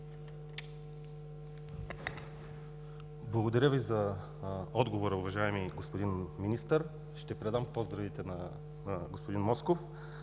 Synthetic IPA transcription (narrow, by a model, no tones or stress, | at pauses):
blˠɐɡod̪ɐɾʲəvizɐ | ɔd̪ɡovoɾəuvɐʒaɛmiɡospod̪inminist̪əɾ | ʃt̪ɛpɾɛd̪ampɔzd̪ɾɐvit̪ɛnɐ | ɡospod̪inmɔskof